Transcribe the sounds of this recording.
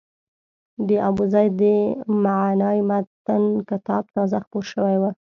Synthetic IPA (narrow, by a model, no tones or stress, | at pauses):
d̪əʔabuzɑjd̪əmaʕnɑjmat̪ankɪt̪ɑb̚t̪ɑzaxpoɾʃəwajwa